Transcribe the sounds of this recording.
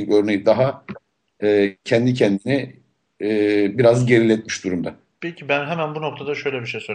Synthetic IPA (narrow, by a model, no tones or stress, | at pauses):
nøɾne̞jid̪aɦa | ɯːcʰɛnd̪icʰɛnd̪iniː | biɾazɟe̞ɾilʲɛt̪̚miʃd̪uɾumd̪a | pʰɛcʰibænɦɛmænbunok̚t̪ʰad̪aʃø̞jlʲɛbiʃejsø